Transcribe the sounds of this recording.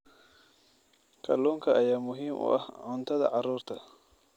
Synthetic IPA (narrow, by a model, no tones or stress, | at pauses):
kʰɐlɔːŋkʰɐʔɐjaːmʊɦiːmʔʊ̰ʔɐ̰hʕʊnt̪ʰɐðɐ̰ʕɑɾuːɾt̪ʰɐ